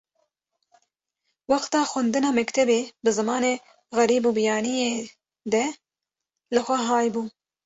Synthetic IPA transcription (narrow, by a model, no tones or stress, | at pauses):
wɑxt̪ɑːxʷɛnd̪ɨnɑːmɛkt̪ʰɛbeːbɨzɨmɑːneː | ɣɛɾiːbuːbɨjɑːnije | d̪ɛ | lɨxʷɛɦɑːjbuː